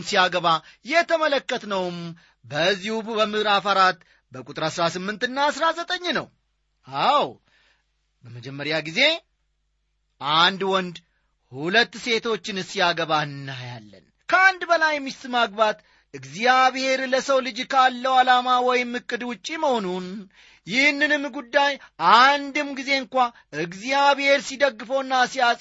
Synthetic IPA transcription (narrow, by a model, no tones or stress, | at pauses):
nsijaɡəβajɛt̪ʰəmələkːət̪nəwm | bəzːihubbəmɨhɾafaɾat̪ | bəkʼut̪ʼɨɾasɾasɨmːɨnt̪ɨnːasɾazət̪ʼəɲːnə̰w | aw | bəməd͡ʒɛmːəɾjaɡize̞ | ʔand̪wɔnd̪ | hulət̪ːse̞t̪ʰo̞t͡ʃːɪnɨsijaɡəβahɨnːɨhjalːə̰n | kʰəand̪bəlajɛmːist̪ɨmaɡ̚bat̪ | ɨɡzijaβhe̞ɾləsəwlɨd͡ʒkʰalːəwalamawɔjɪmːɨkʼːɨd̪wʊt͡ʃʼːiməho̞nun | jɪhnːɨnɨmːɡud̪ːajʔand̪ɨmɡize̞ɨŋkʷa | ɨɡzijaβhe̞ɾsid̪əɡːɨfəwɨnːasijasʼ